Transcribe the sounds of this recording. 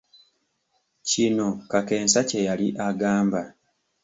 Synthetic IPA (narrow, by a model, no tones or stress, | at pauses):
cino̞kake̞ːnsacejaliʔaɡaːmba